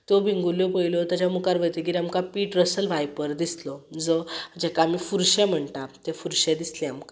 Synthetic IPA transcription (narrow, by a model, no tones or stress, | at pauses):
t̪obʱiŋɡuljopəilot̪at͡ɕjamukaɾʋəjt̪eɡiɾiamkapiːʈɾəsəlʋʱajpəɾd̪islɔd͡zəd͡ʑɛkamiːfuɾɕɛm̤əɳt̪at̪efuɾɕɛd̪islɛ̃amka